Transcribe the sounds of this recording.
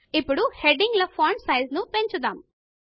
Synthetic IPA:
ipːuɽuheɖiŋɡlɐpʰaːɳɖsɐjznupe̞ɲt͡ʃud̪aːm

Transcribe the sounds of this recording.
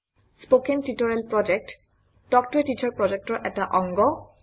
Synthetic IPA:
spokentitɔɹɛlpɹɔd͡ʒɛk̚t | d̥ɔk̚tɔɹitit͡ʃɔɹpɹɔd͡ʒek̚tɔɹʔɛtaʔɔŋɡɔ

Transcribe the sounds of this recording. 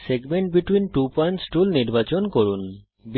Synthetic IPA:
seɡmeɳʈ̚biʈwinʈupɔjɳʈsʈulniɾbat͡ɕonkoɾun | b

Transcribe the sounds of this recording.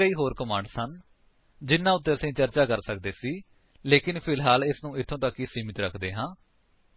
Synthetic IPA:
əiːɦoːɾkəmãːɳɖsən | d͡ʒɪnːãːʊt̪ːẽːəsĩːt͡ʃəɾt͡ʃaːkəɾsək̚d̪eːsiː | leːkɪnpʰɪlɦaːlɪsnũːɪt̪ʰːõːt̪əkːiːsiːmɪt̪ɾəkʰd̪eːɦãː

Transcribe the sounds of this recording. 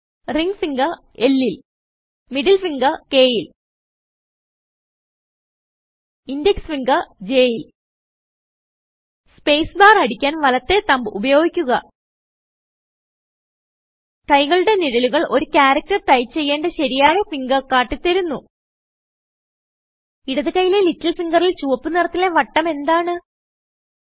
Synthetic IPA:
riŋɡfiŋɡɐ | e̞lːil | miɽilfiŋɡɐke̞ːjil | indjeksʋiŋɡɐd͡ʑe̞ːjil | spe̞ːsbaːrɐɽikʲːaːnʋɐlɐt̪ːe̞t̪ɐmbɨubɐjo̞ːɡikʲːuɣɐ | kɐjɣɐɭuɽe̞niɻɐluɣɐɭʔo̞ɾukʲaːɾɐk̚tɐrʈ̪ɐjt͡ɕe̞jːe̞ːɳɖɐɕɐɾijaːɭefiŋɡɐkaːʈːit̪ːɐɾunːu | iɽɐðɨkɐjile̞litːɐlsiŋɡɐrilt͡ɕuʋɐpːɨnirɐt̪ːile̞ʋɐʈːɐme̞nd̪aːɳɨ

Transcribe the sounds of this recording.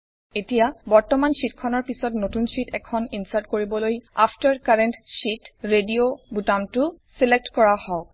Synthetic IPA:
etijabɔɹtɔmansitkʰɔnɔɹpisɔtnotunsitʰɛkʰɔninsatkoɹibɔloja̰pʰtaɹkaɹɛntsitɹediobutamtʊsilek̚tkɔɹahɔʊ

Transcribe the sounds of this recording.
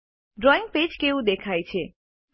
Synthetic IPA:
ɖɾɔĩŋɡ̚ped͡ʒkeʋũd̪ekʰajt͡ʃʰe

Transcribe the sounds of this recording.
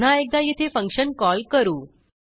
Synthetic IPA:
n̤aek̚d̪ajit̪ʰefə̃ŋkɕənkɔlkəɾuː

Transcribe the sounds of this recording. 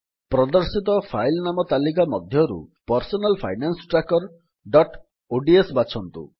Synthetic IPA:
pɾɔd̪ɔɾsit̪ɔpʰajlnamɔt̪alikamɔd̪ʱjɔɾṵpɔɾsɔnalpʰa̰jnansɔ̥ʈɾakɔɾ | ɖɔʈ | oɖiesbat͡ʃʰɔnt̪ṵ

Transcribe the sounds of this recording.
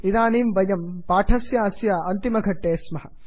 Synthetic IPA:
id̪aːniːmbɐjɐmpaːʈʰɐsjɐɐsjɐɐnt̪imɐɡʱɐʈːeːsmɐɦɐ

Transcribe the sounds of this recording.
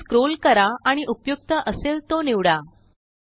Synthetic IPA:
skɾolkəɾaaɽ̃iʔupjuk̚t̪əʔəselt̪oniʋɽa

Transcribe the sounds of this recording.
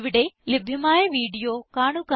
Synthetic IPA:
ʋɪɽelɪbʱɪmaːeʋiːɖijokaːɳ̃uka

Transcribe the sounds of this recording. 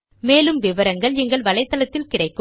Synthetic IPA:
meːlɯmʋɪʋɐɾɐŋɡɐɭɛŋɡɐɭʋɐɭɐɪt̪ːɐɭɐt̪ːɪlkɪrɐɪkːɯ

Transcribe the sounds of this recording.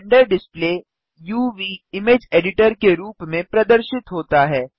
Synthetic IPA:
ɳɖəɾɖɪspleː | juːʋiːɪmeːd͡ʒeːɖɪʈəɾkeɾuːpmẽpɾɐd̪əɾʃɪt̪ɦoːt̪aɦɛː

